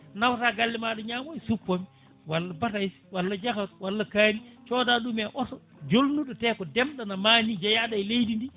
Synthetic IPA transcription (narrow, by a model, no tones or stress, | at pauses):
nawtaːɡalːimaɗɔɲaːmɔjsupːami | walːabatajs | walːad͡ʒakatwalːakaːɾit͡ʃɔːdaɗumaʔɔtɔ | d͡ʒolnuɗɔtɛkɔdɛmɗanamaːnid͡ʒajaɗajlejdindi